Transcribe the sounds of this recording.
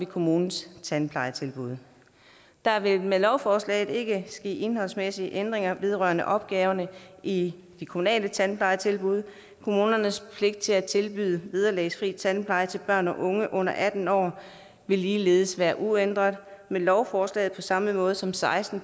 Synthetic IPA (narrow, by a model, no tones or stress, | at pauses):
ʋikʰo̝muːnn̩st͡sʰænpʰlɑ̈ɪt͡sʰe̝lb̥uð̞̰ˠ | d̥ɑ̈ʋe̝lmelɒʊfɒːslɛ̰ɪð̩ˠe̝ɡ̥əsɡ̥e̝̰ːe̝nɦɒ̽lsmesiəʔend̥ʁeŋɐʋe̝ð̞ˠʁɶɐnəʔɒ̽b̥ɡ̥ɛːʊɐnəi | d̥ikʰomunɛ̰ːlət͡sʰænpʰlɑ̈ɪt͡sʰe̝lb̥uð̞ˠ | kʰo̝muːnɐnəspʰle̝ɡ̥̚d̥̚t͡sʰe̝læt͡sʰelb̥y̰ːðˠəʋeð̞ˠɐlɛ̰ːɪsfʁḭ̥ːt͡sʰænpʰlɑ̈ɪt͡sʰe̝b̥ɶɐ̰nɒ̽ʔɔ̽ŋəʔɔ̽n̰ɐʔæd̥n̩ɒ̰ː | ʋe̝lːiːle̝ːð̞̩ˠsʋæːɐʔuend̥ʁɐðˠmelɒʊfɒːslɛ̰ːð̩ˠpʰɒ̽sɑ̈məmɔ̽ːð̞̩ˠsɒ̽msɑ̈ɪsd̥n̩